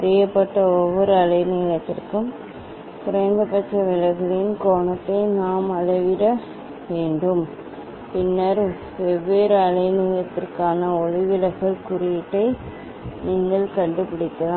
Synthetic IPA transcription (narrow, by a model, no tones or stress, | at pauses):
ɐɾɪjɐpːɐʈːɐɔʋːɔɾɯɐlɐɪniːlɐt̪ːɪ̰rkɯm | pʊɾɐɪnd̪ɐpɐʈːrɐʋɪlɐɪɣɐɭɪnkoːɳɐt̪ːɐɪnaːmɐlɐʋɪɾɐ | ʋeːɳɖɯm | pɪnːɐɾ | ʋɛʋːeːɾɯɐlɐɪnuːjɐt̪ːɪrkaːnɐɔɻɪʋɪlɐɪɣɐɭkʊrɪjɪʈːɐɪ | niːŋɡɐɭkɐɳɖɯpɪɽɪt̪ːɐlaː